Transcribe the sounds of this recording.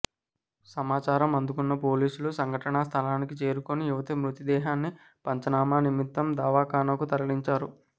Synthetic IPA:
sɐmaːt͡ʃaːɾɐmɐnd̪ukunːɐpo̞ːliːsulusɐŋɡʱɐʈɐnɐst̪ʰɐlaːnikit͡ʃe̞ːɾukonijuʋɐt̪imɾut̪id̪ɛːɦaːnːi | pɐɲt͡ʃɐnaːmaːnimit̪ːɐmd̪aːʋaːkaːnɐkut̪ɐɾɐliɲt͡ʃaːɾu

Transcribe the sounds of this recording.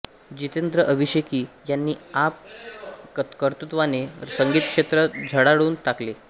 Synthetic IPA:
d͡ʑit̪end̪ɾəʔəʋiɕekiːjanːiːap̚ | kəɾt̪ut̪ʋanesəŋɡiːt̪kʂet̪ɾəd͡ʑʱəɽaɽuːnt̪akle

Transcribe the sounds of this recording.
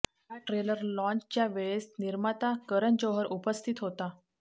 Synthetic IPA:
jaʈɾeləɾlɔ̃nt͡ɕt͡ɕjaʋeɭesniɾmat̪akəɾənd͡ʑoɦəɾʔupəst̪ʰit̪ɦot̪a

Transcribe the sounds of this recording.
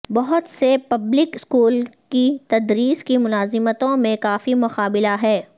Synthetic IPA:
bɐɦʊt̪sepɐblɪkɪskuːlkit̪ɐd̪ɾiːskimʊnaːzɪmət̪õmẽkaːfimʊqaːbɪlaɦɛː

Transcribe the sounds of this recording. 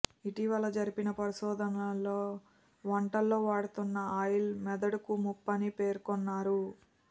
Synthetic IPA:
iʈiʋɐlɐd͡ʒɐɾipinɐpɐɾiʃɔːd̪ɐnɐlːo̞ː | ʋɐɳʈɐlːo̞ːʋaːɽut̪unːɐaːjilmɛd̪ɐɽukumupːɐnipe̞ːɾkɔnːaːɾu

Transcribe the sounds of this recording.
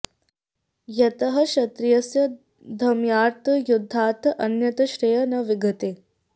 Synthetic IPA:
jɐt̪ɐɦɐ̆ʃɐt̪ɾijɐsjɐ | d̪ʱɐmjaːɾt̪ɐjud̪ʱːaːt̪ɐʔɐnjɐt̪ɐʃɾejɐnɐʋiɡʱɐt̪eː

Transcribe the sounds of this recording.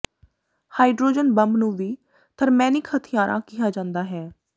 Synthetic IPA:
haːiɖɾoːd͡ʒənbəmnũːʋiː | t̪ʰəɾmɛ̃ːnɪkhət̪ʰɪjaːɾʔã̰ːkɪːaːd͡ʒãːnd̪aːɦɛː

